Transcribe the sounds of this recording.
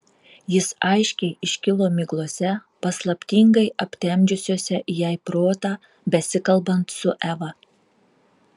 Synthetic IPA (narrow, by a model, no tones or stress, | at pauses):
jɪsɐɪʃʲkʲɛɪɪʃʲkʲɪlˠoːmʲɪɡlˠoɔsʲɛ | pɐslˠɐpʲt̪ʲɪŋɡɐɪɐpʲt̪ʲɛmʲd͡ʒʲʊsʲoːsʲɛʔjɛɪpɾoːt̪ɑː | bʲɛsʲɪkɐlˠbɐnt̪sʊʔɛʋɐ